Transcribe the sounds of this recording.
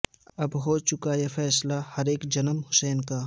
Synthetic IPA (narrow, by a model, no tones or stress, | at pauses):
ɐbɦoːt͡ʃʊkajefɛːslahɐɾeːkd͡ʒɐnəmhʊsɛːnkaː